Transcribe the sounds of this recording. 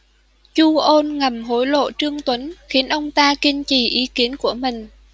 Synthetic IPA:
t͡ɕu˧ʔo˧nŋə˨˩mɦo˨˦jlo̰˧˨t͡ɕɨ˧əŋt̪wə˨˦nxi˨˦ənʔə˧wŋ͡mt̪aː˧kï˧ŋt͡ɕi˨˩ʔi˨˦ki˨˦ənku˧˩əmï˨˩ŋ̟

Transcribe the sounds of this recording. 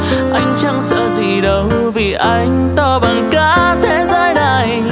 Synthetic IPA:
ʔa˧jŋ̟t͡ɕa˧ŋsa̰˧˥wzi˨˩ɗə˨˦w | vi˨˩ʔa˧jŋ̟t̪ɔ˧˩ɓa˨˩nkaː˧˦t̪ʰe˨˦zaː˧jna˨˩j

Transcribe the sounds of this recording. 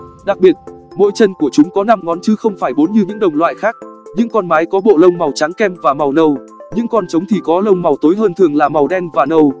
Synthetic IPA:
ɗa˨˩k̚ɓi˨˩ət̚mo̰˧˥jt͡ɕə˧nku˧˩ət͡ɕʊ˨˦ŋ͡mkɔ˨˦na˧mŋɔ˨˦nt͡ɕɨ˨˦xə˧wŋ͡mfaː˧˩jɓo˨˦nɲɨ˧ɲɨ̰˧˥ŋɗə˨˩wŋ͡mlwa̰ː˧˨jxaː˦˥k̚ɲɨ̰˧˥ŋkɔ˧nmaː˨˦jkɔ˨˦ɓo̰˧˨lə˧wŋ͡mma˨˩wt͡ɕa˨˦ŋkɛ˧mvaː˨˩ma˨˩wnə˧˩w | ɲɨ̰˧˥ŋkɔ˧nt͡ɕə˨˦wŋ͡mt̪ʰi˨˩kɔ˨˦lə˧wŋ͡mma˨˩wt̪o˨˦jɦəː˧nt̪ʰɨ˨˩əŋlaː˨˩ma˨˩wɗɛ˧nvaː˨˩nə˧˩w

